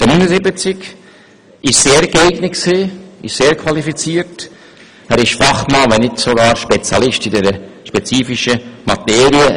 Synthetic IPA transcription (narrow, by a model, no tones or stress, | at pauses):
d̥ənyːnəzɪbət͡sɪk | ɪʃseːɾɡeɪɡnətksiːɪ̰ʃseːɾkʰʋɑlifit͡siːɾt | æːɾɪʃfɑχmɑʋɛnɪtsoɡɑːɾʃpɛt͡sjɑlɪʃtidɛɾəʃpɛt͡siːfiʃəmɑteːɾiə